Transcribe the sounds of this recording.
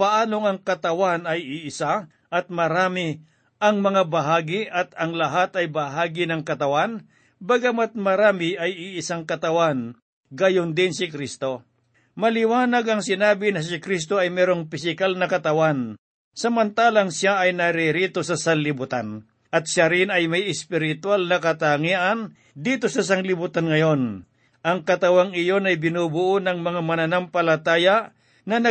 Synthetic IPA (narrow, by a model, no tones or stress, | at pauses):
pɐʔaːnoŋɐŋkɐt̪ɐwanɐjɪʔɪsa | ʔɐt̪̚mɐɾaːmɪ | ʔɐŋmɐŋabɐɦaːɡɪʔɐt̪ɐŋlɐɦat̪ɐjbɐɦaːɡɪnɐŋkɐt̪ɐwan | bɐɡɐmat̪̚mɐɾaːmɪʔɐjɪʔɪsaŋkɐt̪ɐwan | ɡɐjond̪ɪnsɪkɾist̪o̞ | mɐlɪwaːnɐɡɐŋsɪnaːbɪnɐs̬ɪkɾis̬t̪o̞ɐjmɛːɾoŋpɪsɪkalnɐkɐt̪ɐwan | sɐmɐnt̪aːlaŋsjaɐjnɐɾɪɾit̪o̞sɐsɐnlɪbʊt̪an | ʔɐt̪̚ʃjaɾɪnɐjmɐjɪspɪɾɪt̪walnɐkɐt̪aŋiʔan | d̪iːt̪o̞sɐs̬aŋlɪbʊt̪anŋɐjo̞n | ʔɐŋkɐt̪ɐwaŋɪjo̞nɐjbɪnuːbʊʔonɐŋmɐŋamɐnɐnampɐlɐt̪aːja | nɐnɐ